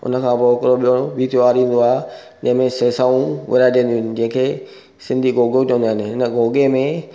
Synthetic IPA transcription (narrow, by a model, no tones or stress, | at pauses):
ʊ̰nəkʰãːpokɪɾoɓijõbʱiːt̪ʰijoaːɾĩːn̆d̪oaːɦe | d͡ʑɐ̃ɦɪ̃mẽseːsaːũʋɐ̰ɾad͡ʑĩːnd̪iʊnɪ̆d͡ʑɐ̃ɦɪ̃kʰeː | sɪ̃nd̪ʱiɡoːɡet͡ɕʋə̃nd̪aːɦɪnɪɦɪnəɡʱoːɡemẽ